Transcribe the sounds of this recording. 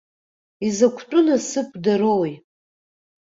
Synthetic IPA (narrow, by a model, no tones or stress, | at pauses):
izakʷʰtʼʊnasɨkʷʰʼdaɾowj